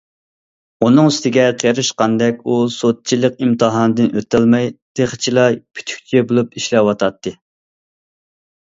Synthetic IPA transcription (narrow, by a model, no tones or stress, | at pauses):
unɨŋsɪ̥t̪ɪɡʲɛqʰeɾɨʃqɑnd̪ɛkʲusot̪̚t͡ʃʰilˠəq̚imt̪ʰɨɦɑnɨd̪ɨnøt̪ɛlmɛjd̪̥eχt͡ʃʰilˠɑpʰy̥t̪ʰy̥k̚ʲt͡ʃʰɛbolˠupiʃlɛwɑt̪ʰɑt̪ːɨ